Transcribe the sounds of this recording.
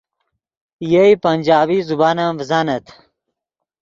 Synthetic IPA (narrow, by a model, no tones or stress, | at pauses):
jɐipɐnʲd͡ʑaːbiːzubaːnãːvəzaːnɐt̪ʰ